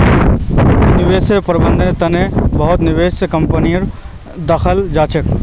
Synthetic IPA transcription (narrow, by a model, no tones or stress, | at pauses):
nɪʋeːsəpɾɐbə̃nd̪ʱeɾt̪ɐnebɐɦʊt̪nɪʋeːsəkɐ̃mpəniɾ | d̪ɐxʰəld͡ʒaːt͡ʃək